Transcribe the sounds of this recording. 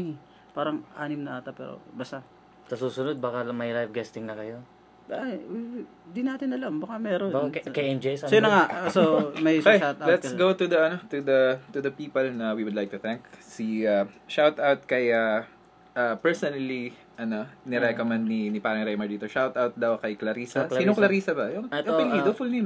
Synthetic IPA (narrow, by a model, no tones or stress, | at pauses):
paːɾɐŋʔaːnɪmnɐʔat̪ɐpɛ̰ːɾo̰bɐst̪a | sɐsuːsʊnod̪̚bakamɐjlajvɡɛst̪ɪŋnɐkɐjo̞ | d̪ɪnaːt̪ɪnɐlɐmbɐkamɛːɾonkejɛmd͡ʒessjnɐŋasomɐjjʃawt̪alɛt̪sɡowt̪ʊd̪ɐʔɐno̞t̪ʊd̪ɐt̪ʊd̪ɐpiːpɐlnɐwiwʊd̪lajk̚t̪ʊθɛ̃ŋksiaʃawt̪awt̪̚kɐja | ʔapɛɹsonɐli | ʔɐno̞nɛɾɛkomɛ̃nd̪̚ninɪpaːɾɐŋɾɛjmɐd̪iːt̪oʃawt̪awt̪̚d̪ɐwkɐjklɐɾiːsɐsiːnoŋklɐɾiːsɐbɐjoŋtɪŋid̪ofʊlnim